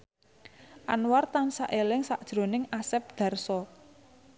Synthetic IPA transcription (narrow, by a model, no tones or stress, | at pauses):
ʔanwart̪ansaʔelɪŋsaʔd̥ʒ̥ɾo̤nɪŋasɛp̚d̪̥a̤rsɔ